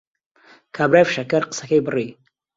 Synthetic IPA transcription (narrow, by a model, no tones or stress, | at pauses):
kʰaːbɾafʃɐkɐɾqə̥sɐkejbɨri